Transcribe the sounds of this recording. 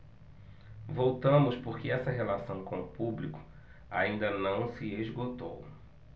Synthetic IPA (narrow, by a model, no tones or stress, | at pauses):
vowt̪ɐ̃mʊspʊɾkɪɛsɐɦelasɐ̃w̃kõʊpublikʊ̥ | a̰ĩnd̪ɐnɐ̃w̃sɪeʒɡot̪o̰w